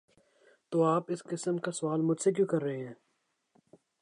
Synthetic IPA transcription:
t̪oːaːpɪskɪsəmkasʊʋaːlmʊd͡ʒsek̬jõkɐɾːɐɦẽɦɛ̃ː

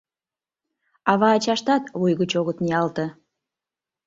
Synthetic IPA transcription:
ɑβɑːt͡ɕɑʃt̪ɑt̪βujɣət͡ɕoɣət̪niɑlt̪ə̆

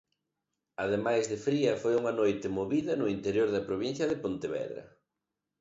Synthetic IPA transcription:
ɐðemajzðɪfɾiɐfojuŋɐnojt̪ɪmoβiðɐnʊint̪eɾjoɾðɐpɾoβin̟θjɐðɪpont̪eβɛ̰ðɾɐ̰

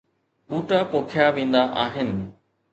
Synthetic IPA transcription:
uːʈapoːkʰjaːʋĩːn̆d̪aʔaːɦɪnɪ̆

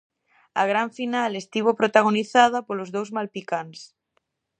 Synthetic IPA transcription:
aɣ̞ɾaɱfinalest̪iβ̞opɾot̪aɣ̞oniθaðapolozðowzmalpikans

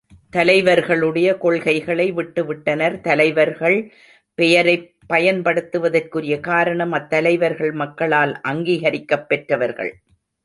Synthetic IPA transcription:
t̪ɐlɐɪʋɐɾɣɐɭɯɽɐjɐkɔɭɣɐɪɣɐɭɐɪʋɪʈːɯʋɪʈːɐnɐɾt̪ɐlɐɪʋɐɾɣɐɭ | pɛjɐɾɐɪ | pːɐjɐnpɐɽɯt̪ːɯʋɐðɐrkɯɾɪjɐkaːɾɐɳɐmɐt̪ːɐlɐɪʋɐɾɣɐɭmɐkːɐɭaːlʔɐŋɡiːɣɐɾɪkːɐpːɛʈrɐʋɐɾɣɐ̰ɭ

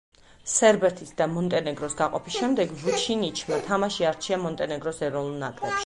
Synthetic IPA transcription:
sɛɾbɛɾt̪ʰisʰd̪amɔnt̪ʼɛnɛɡɾɔsɡaqʼɔpʰisʃɛmd̪ɛɡvut͡ʃʰinit͡ʃʰmat̪ʰamaʃiaɾt͡ʃʰiamɔnt̪ʼɛnɛɡɾɔsɛɾɔvnulˠnakʼlɛpʃi̥

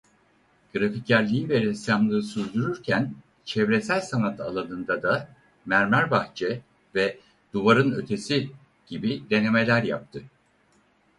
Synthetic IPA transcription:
ɡ̥ɯɾaficːæɾlʲiiveɾiisjamlˠɯːsyɾd̪yɾyɾcʰæn | t͡ʃʰɛvɾe̞sælʲsanat̪ʰalˠanɯnd̪ad̪a | mæɾmæɾbaxt͡ʃʰɛ | vɛ | d̪uvaɾɯnø̞̰t̪ʰe̞si | ɟ̥ibid̪e̞ne̞me̞lʲæɾja̰p̚t̪ʰɯ

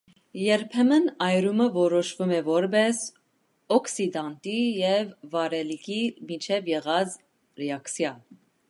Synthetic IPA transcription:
jɛɾpʰɛmənɑjɾuməvɔɾɔʃvumɛvɔɾbɛs | ɔksid̪ɑnt̪ijɛvːɑɾɛlikʰimit͡ʃʰɛvjɛʁɑd͡z | ɾɛɑksjɑn

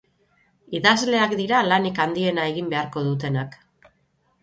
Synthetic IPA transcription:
iðazle̞akd̪iɾalanikand̪ie̞nae̞ɣimbe̞aɾko̞ðut̪̬e̞nak

